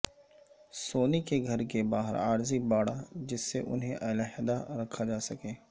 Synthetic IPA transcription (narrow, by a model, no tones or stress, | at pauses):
soːnikeɡʱɐɾkebaːɦə̰ɾa̰ːɾzibaːɽad͡ʒɪsːeʔʊ̰nɦẽʔɐlaɦɪd̪aɾɐkʰːad͡ʒaːsɐkeː